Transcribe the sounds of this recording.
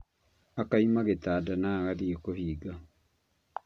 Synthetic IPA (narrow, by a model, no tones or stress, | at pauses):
akaimaɣetaːdanaɣaðiekohiːɡa